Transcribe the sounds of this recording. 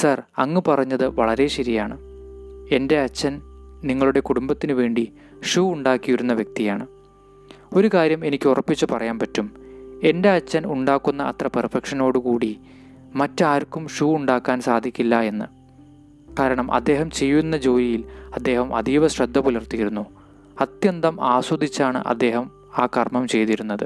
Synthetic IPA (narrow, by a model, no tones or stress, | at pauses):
sɐrɐŋːɨpɐrɐɲːɐðɨʋɐɭɐɾe̞ɕɐɾijaːɳɨ | e̞nde̞ɐt͡ɕːɐnniŋːɐɭuɽe̞kuɽumbɐt̪ːinɨʋe̞ːɳɖi | ʂuːuɳɖaːkːiʋiɾunːɐʋjɐk̚t̪ijaːɳɨ | o̞ɾukaːɾjɐme̞nikʲːurɐpːit͡ɕːɨpɐrɐjaːnpɐtːume̞nde̞ɐt͡ɕːɐnuɳɖaːkːunːɐʔɐ̰t̪rɐpɐrfɐkʂɐno̞ːɽɨkuːɽi | mɐtːaːɾkːumʂuːuɳɖaːkːaːnsaːd̪ʱikʲːilːɐe̞nːɨ | kaːɾɐɳɐmʔɐ̰d̪ːe̞ːɦɐmt͡ɕe̞jːunːɐd͡ʑo̞ːjijilɐd̪ːe̞ːɦɐmʔɐ̰d̪ijʋɐɕɾɐd̪ʱːɐpulɐrt̪ijiɾunːu | ɐt̪jɐnd̪ɐmaːswud̪ʱit͡ɕːaːɳɨ̰ʔɐ̰d̪ːe̞ːɦɐm | aːkɐrmɐmt͡ɕe̞jt̪iɾunːɐðɨ